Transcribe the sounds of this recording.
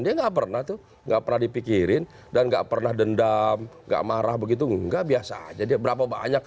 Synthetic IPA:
ndiaŋɡaʔpərnaht̪u | ŋɡaʔpərnahdipikiɾɪn | danŋɡa̰ʔpərnahdəndamŋɡa̰ʔmaɾahbəɡit̪̬uɡaʔbiasa̰d͡ʒadiabəɾapaba̰ɲak̚

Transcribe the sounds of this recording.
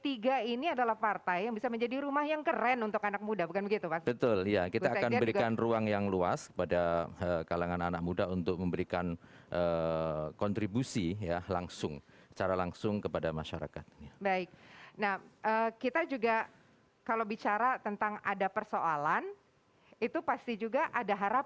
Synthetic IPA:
t̪iɡainiadalahpart̪ajjaŋbisaməɲd͡ʒadiɾumahjaŋkəɾɛnunt̪ʊkanak̚mudabukanbəɡit̪upasbət̪ʊlijakit̪aːkanbəɾikanruaŋjaŋluaskə̥padaəkalaŋananak̚mudaunt̪ʊk̚məmbəɾikanʔəkɔnt̪ɾibusijalaŋsʊŋsə̥t͡ʃaɾalaŋsʊŋkəpadamaʃaɾa̰ka̰t̪̚abaɪk̚nahəkit̪ad͡ʒuɡa | kalowbit͡ʃaɾat̪ənt̪aŋadapərsoʔalan | it̪upast̪id͡ʒuɡaʔadaɦaɾap̚

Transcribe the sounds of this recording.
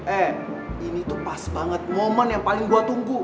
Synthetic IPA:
ʔɛ | init̪upasbaŋət̪̚momənjaŋpalɪŋbuat̪uŋɡu

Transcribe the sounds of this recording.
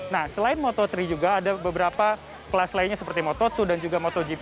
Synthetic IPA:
nahsəlaɪnmot̪ɔt̪ɾid͡ʒuɡaːdabəbəɾapa | pəlaslainɲasəpərt̪imot̪ɔt̪udand͡ʒuɡamot̪ɔd͡ʒi

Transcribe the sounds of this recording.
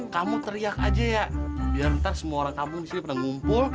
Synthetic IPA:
kamut̪əɾiaka̰d͡ʒajabilamt̪arsəmuaoɾaŋkamumisinipərnaŋumpʊl

